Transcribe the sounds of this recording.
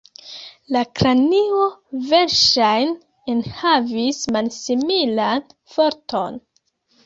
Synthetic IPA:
lakɾanio̞ve̞ɾʃajn | enhavismalsimilanfo̞ɾtʰo̞n

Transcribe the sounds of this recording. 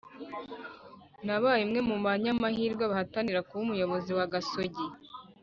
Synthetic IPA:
naβaːjimŋe̞mumaɲamahiːɾɡwaβahataniɾakuβumujo̞βo̞ziwaɡasoɟi

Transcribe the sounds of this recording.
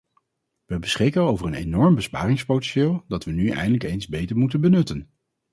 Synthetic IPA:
ʋəbəsχɪkənowvəɹənejnɔɹmbəspa̰ːrɪŋspowtɛ̃nʃɪːlˠdɑtʋənyɛ̰jndələkejnzbejtəɹmutənbənɵtən

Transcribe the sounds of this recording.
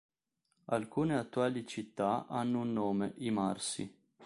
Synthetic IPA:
alkuːneat̪ːuaːlit͡ʃit̪ːaanːounːoːmeʔimarsḭ

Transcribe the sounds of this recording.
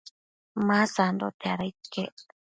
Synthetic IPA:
mãsand̪ot̪eaɾaike

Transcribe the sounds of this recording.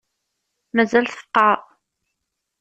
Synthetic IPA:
mæzælθə̥fqːɑɾ

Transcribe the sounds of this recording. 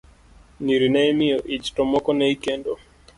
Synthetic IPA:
niɾinajmiɔʔid͡ʒtɔmɔkɔnɛikɛndɔ

